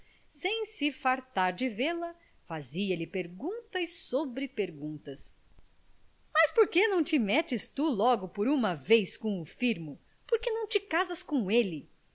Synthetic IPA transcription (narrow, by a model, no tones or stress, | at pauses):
sẽj̃sɪfaɾt̪aɾd͡ʒɪvelɐ | faziɐlɪpeɾɡũnt̪ɐisobɾɪpeɾɡũnt̪ɐs | mɐspoɾkenɐ̃w̃t͡ʃɪmɛt͡ʃɪst̪ulɔɡʊpoɾumɐvejskõʊfiɾmʊ | poɾkenɐ̃w̃t͡ʃɪkazɐskõelɪ